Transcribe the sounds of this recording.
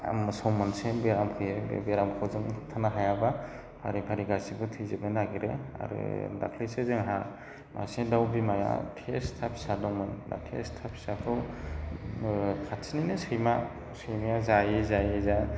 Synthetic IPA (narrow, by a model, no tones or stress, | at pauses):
a̰msɔwmɯnsebeɾamkʰɯjḛbeɾamkʰawzɯŋ̚tʰanaɦajaba | pʰaɾipʰaɾiɡasibɯtʰɯzebɯnaɡiɾea̰ɾɯ̰da̰kʰlisezeŋɦa | mʔa̰sedawbimaja̰tʰestʰapʰi̥sadɔŋmɯnda̰tʰḛstʰapʰi̥sakʰɯ | kʰatʰininɯsɯjma | sɯjmajazajezajeza